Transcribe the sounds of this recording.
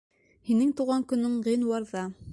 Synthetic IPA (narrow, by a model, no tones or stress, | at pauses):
hinɘŋt̪uwʁɑŋkɵ̆nːɵɴʁinwɑɾðɑ